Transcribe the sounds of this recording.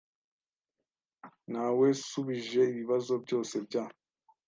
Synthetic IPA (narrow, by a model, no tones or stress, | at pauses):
nawe̞suβiʒe̞iβiβazo̞bɟo̞ːse̞bɟaː